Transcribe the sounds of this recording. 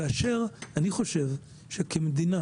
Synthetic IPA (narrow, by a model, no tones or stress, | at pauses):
aːʃeʁaniχo̞ʃe̞v | ʃekemed̪ina